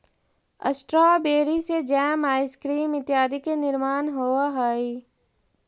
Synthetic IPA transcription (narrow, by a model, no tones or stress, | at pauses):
ə̰sʈɾaːbeːɾised͡ʒɛːmaːɪskɾiːmɪt̪ɪjaːd̪ikenɪɾmaːnɦoːaɦaːiː